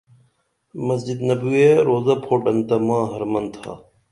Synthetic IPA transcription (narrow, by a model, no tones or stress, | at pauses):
mɐs̬d͡ʒid̪nɐbuːeːɾoːzɐːpʰoːʈɐnt̪ɐmãːɦɐɾmɐnt̪ʰa̰ː